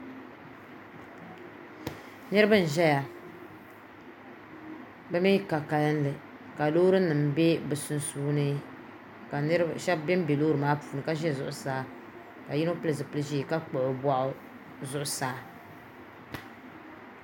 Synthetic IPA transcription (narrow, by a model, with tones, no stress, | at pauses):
nɨ˦ɾɨ˦bɨ˦n̩˨ʒɛ˦ja˨ | bɛ˦mi˦ka˨ka˨lɨ˦n̩˦lɨ˨ | ka˨lo˦ɾɨ˦nɨ˨mbe˦bɨ˨sʊ˨nsuː˦nɨ˦ | ka˨˦ʃɛ˦bbɛ˦m˦be˨loː˦ɾɨ˨maː˦puː˨nɨ˨ka˦ʒɛ˦˨zʊ̰˨ʔʊ˨saː˨˦ | ka˨ji˦no˦pɨ˦lɨ˨sɨ˨pɨ˦lɨ˦ʒi˦˨ka˦k͡po˨ʔʊ˨bʷa˦ʔʊ˦ | zʊ˨ʔʊ˨saː˨˦